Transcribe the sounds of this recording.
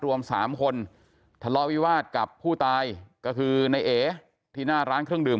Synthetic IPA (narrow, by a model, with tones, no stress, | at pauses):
ɾu˧əmsaː˩˦mkʰo˧n | t̪ʰa˧lɔː˧˥wiː˦˥waː˥˩t̪̚ka˨˩pʰːuː˥˩t̪aː˧jkɔː˥˩kʰɯː˧na˧jʔeː˨˩˦ | t̪ʰiː˥˩naː˥˩ɾaː˦˥nkʰɾɯ˥˩əŋdɯː˨˩m